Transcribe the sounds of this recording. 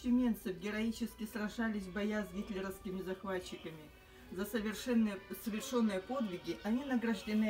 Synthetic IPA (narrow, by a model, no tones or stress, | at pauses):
sʲɪmʲe̞nt̪sɨfɡʲɪɾɐit͡ɕɪskʲɪsɾɐʐalʲɪsʲbɐjazɡʲit̪ʲlʲɪɾəfskʲɪmʲɪzɐxvat͡ɕːɪkəmʲɪ | zəsʲnsəvʲɪrʂo̞nːɨjəpo̞d̪vʲɪɡʲɪʔɐnʲinəɡɾəʐdʲɪnɨ